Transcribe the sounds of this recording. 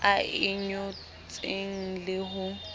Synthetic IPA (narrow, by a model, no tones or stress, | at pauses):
aɪɲʊ | t͡sʼeŋ̩lɪɦʊ